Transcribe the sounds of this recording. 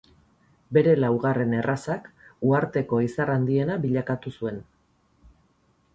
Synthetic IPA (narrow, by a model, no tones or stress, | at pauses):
be̞ɾe̞lawɣare̞ne̞rʔasakuaɾt̪e̞ko̞isarand̪ie̞naβiʎakat̪usue̞n